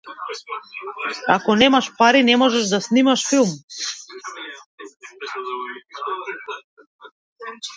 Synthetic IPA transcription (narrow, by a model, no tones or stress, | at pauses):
a̰kɔnɛmaʃpaɾinɛmɔʒɛʒd̪asnimaʃfilˠm